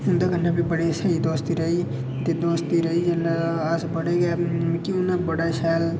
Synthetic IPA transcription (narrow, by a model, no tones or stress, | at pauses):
ʊnd̪aɡənnabʱibəɽesɐid̪oːst̪iɾɐi | t̪ed̪oːst̪iɾɐɦid͡ʒɐlːaaːsbəɽeɡɛːmkiʊnabəɽaʃaːl